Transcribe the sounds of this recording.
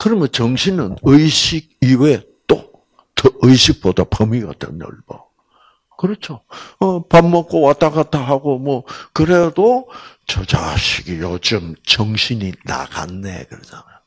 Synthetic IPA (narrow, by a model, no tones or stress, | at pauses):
kɯɾʌmjʌnt͡ɕʌŋɕʰinɯnɯiɕʰiɡ̚iwet͈o | tɯɯjɕʰik̚p͈odapʰʌmiɡa̰dḛnɯ̰ɭbʌ | kɯɾʌt͡ɕʰoʌpamːʌk̚k͈owat͈aɣat͈aɦaɡomwʌkɯɾedo | t͡ɕʌd͡ʑa̰ɕʰiɡijod͡ʑɯmt͡ɕʌŋɕʰiɲina̰ɡa̰nːḛkɯɾʌd͡ʑana